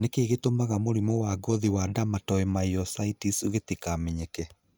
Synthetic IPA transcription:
nekeːɣetomaɣamoɾimɔwaɡɔðiwadamatɔɛmaiɔsaitisuɣetikamɛɲekɛ

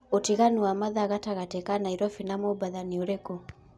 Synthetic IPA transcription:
otiɣanuamaðaːɣataɣatɛkanaiɾɔfinamobaðanioɾekɔ

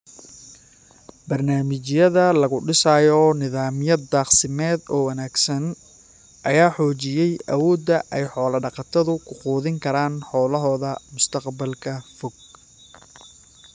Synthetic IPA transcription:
bɐrnaːmɪt͡ʃjɐðɐlɐɣʊɖɪsaːjɔnɪðaːmjɐd̪ːɑːqsɪmɛːd̪ɔːwɐnaːɡsɐn | ʔɐjaːħɔːt͡ʃɪjɛjʔɐwɔːd̪ːɐʔɛjħɔːlɐɖɑqɑt̪ʰɐðʊkʰʊquːðɪŋkʰɐɾaːnħɔːlɐɦɔːðɐmʊst̪ʰɐqbɐlkʰɐfɔɡ̚

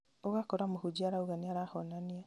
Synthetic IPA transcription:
oɣakoɾamohud͡ʒiaɾauɣaniaɾahɔnania

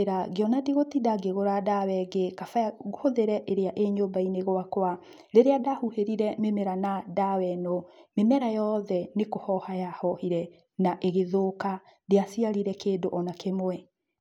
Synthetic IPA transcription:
ɾaɡeɔnadiɣotidaɡeɣoɾadawɛɡekafaaɣohoðeɾɛʔeɾeaʔeɲombaineɣwakwa | ɾeɾeadahuheɾiɾɛmemɛɾanadawɛnɔmemɛɾajɔðɛnekohɔhajahɔhiɾɛ | naʔeɣeðoka | deasiaɾiɾɛkeːdoʔɔnakemwɛ

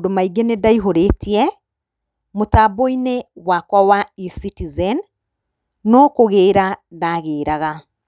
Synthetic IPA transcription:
domaiɡenedaiɦoɾetiɛ | motaboinewakwawaisitizɛn | nɔkoɣeːɾadaɣeːɾaɣa

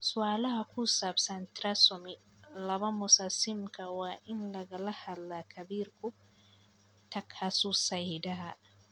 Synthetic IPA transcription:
sʊwaːlahakʰusabsɐnt̪ɾasʊmi | lɐbɐmʊsasɪmkawaʔɪnlɐɡɐlɐhalːakʰɐbiːɾkʊ | tɐkʰːasusɐjdɐɦa

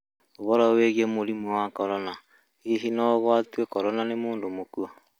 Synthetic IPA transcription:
oβɔɾɔweɣiemoɾimɔwakɔɾɔna | iɦinɔβwatwekɔɾɔnanemoːndomokuɔ

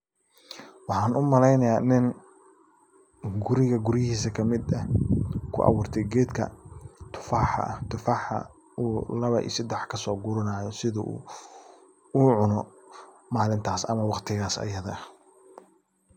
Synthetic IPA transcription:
wɑħɑːnʔʊmɐlɛjnɐjaːnɪn | ɡʊɾɪɣɐɡʊɾɪhiːsɐkʰɐmɪd̪ɐkʰʊ̰ʔɐ̰wʊːrt̪ʰɛjɡɛːd̪kʰɐ̰t̪ʰʊ̥faːħɐ̰ɐt̪ʰʊfaːħɐ̰ | ʔuːlɐβɐʔḭːsɐd̪ɛħkʰɐsɔːɡʊɾɐnaːjɔsɪðɐʔṵː | uːʕʊnɔ | maːlɪnt̪ʰaːsɐ̰mɐwɑqt̪ʰɪɣaːsɐ̰jɐðɐ

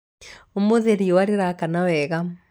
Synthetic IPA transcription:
omoðeɾiowaɾeɾakanawɛɣa

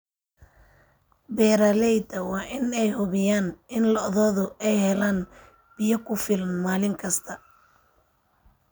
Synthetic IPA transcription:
bɛːɾaːlɛjd̪ɐwɑːʔɪnɛjhʊβɪjaːnɪnlɐðɔːðʊɛjhɛlaːn | b̥ɪjɐkʰʊfɪlnmaːlɪŋkʰɐst̪ʰɐ

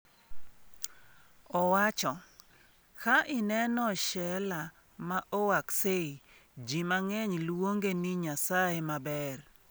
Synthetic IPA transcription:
ɔwat͡ʃɔ | kʰaʔɪnɛnɔʃɛla | maʔɔwakseid͡ʒimaŋɛɲlwoŋɡenɪɲasajemabɛr

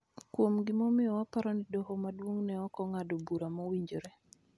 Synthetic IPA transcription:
kwomɡɪmomɪjɔwapaɾɔnidɔhɔmadwoŋnɛɔkɔŋadobuɾamɔwiɲd͡ʒoɾɛ

